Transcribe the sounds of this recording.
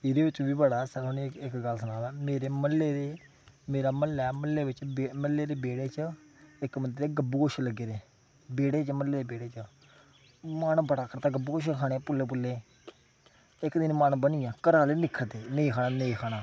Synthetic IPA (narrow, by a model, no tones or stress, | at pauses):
ɪd̪eːʋɪt͡ʃʋiːbəɽaːsəlɦʊneɪkɡəlsənãːd̪aːmeːɾeːməlːeːd̪eː | meːɾaːməlɛːməlːeːʋɪt͡ʃbeməlːeːd̪eːbeːɽeːt͡ʃəɪkmənd̪ɾeːɡəbuːkoʃləɡːeːɾeː | beːɽeːt͡ʃəməlːeːd̪eːbeːɽeːt͡ʃə | mənbəɽaːkəɾt̪aːɡəbuːkoʃekʰaːɽ̃eːpʊlːeːp̬ʊlːeː | ɪkd̪ɪnmənbənijãːkəɾaːleːnɪkʰːəɽd̪eːnəĩːkʰaːnaːneĩːkʰaːɽ̃aː